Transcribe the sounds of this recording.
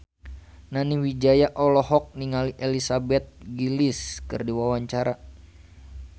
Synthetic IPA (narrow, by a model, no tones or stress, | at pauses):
naniwid͡ʒajaʔɔlɔhɔk̚niŋaliʔelisabɛt̪̚ɡiliskɨ̰rdiwawaɲt͡ʃaɾa